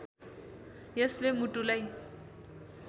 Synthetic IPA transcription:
jeslemutulaj

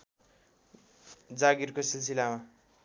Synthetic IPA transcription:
d͡zaɡirkosils̬ilama

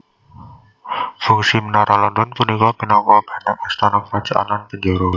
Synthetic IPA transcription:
fuŋsimənaɾalɔndɔnpunikɔpinawab̥a̤nak̚ast̪anɔk̚mat͡ʃuʔa̰nanpəɲd͡ʒoɾo

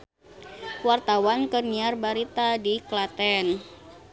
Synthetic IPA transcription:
wart̪awankərɲiarbaɾit̪adiklat̪ɛn

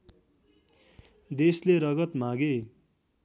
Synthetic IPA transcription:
d̪esleɾʌɡʌt̪mãɡe

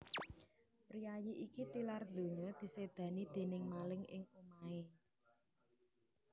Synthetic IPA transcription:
pɾiajiʔikit̪ilard̪̥o̤ɲɔd̪̥i̤sed̪̥ä̤nid̪̥e̤nɪŋmalɪŋɪ̰ŋumae

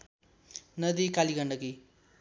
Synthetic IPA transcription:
nʌd̪ikaliɡʌɳɖʌki

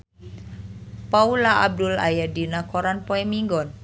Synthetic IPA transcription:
paulaʔab̚dula̰jadinakɔɾanpɔɛmiŋɡɔn

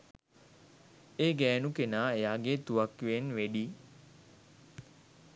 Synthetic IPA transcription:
eːɡɛːnukenaːejaːɡet̪uʋakʋenʋeɖiː

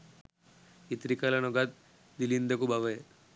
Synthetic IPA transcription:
it̪ɾikɐlɐnuɡɐt̪̚ | d̪ilind̪ɐkubʱɐʋɐ

